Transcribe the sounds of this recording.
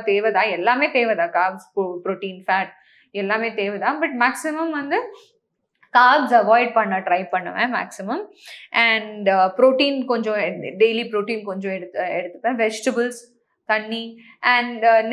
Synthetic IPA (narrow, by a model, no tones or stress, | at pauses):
t̪eːʋɐd̪ãːɛlːaːmeːt̪eːʋɐd̪ãːkaːɾbspopɾoːʈiːnfaːʈ̚ | ɛlːaːmeːt̪eːʋɐd̪ãːbɐʈ̚maːksɪmɐmʋɐnd̪ɯ | kaːɾbsɐʋaːɪɖ̚pɐɳːɐʈɾɐɪpɐɳːɐ̰ʋḛ̃ːma̰ːksɪmɐmʔɛɳɖpɾoːʈiːnkɔɲd͡ʒõɖeɪlipɾoːʈiːnkɔɲd͡ʒõɛɽɯɛɽɯt̪ːɯ̥pːɐ̃ːʋɛd͡ʒʈɐbəls | t̪ɐɳːi | ɛ̃ɳn